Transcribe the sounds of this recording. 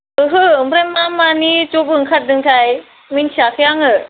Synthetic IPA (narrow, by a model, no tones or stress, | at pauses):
ɯɦɯɯmbɾajmːamanit͡ʃobɯɯŋkʰat̚dɯŋtʰaj | minsakʰɯjaŋɯ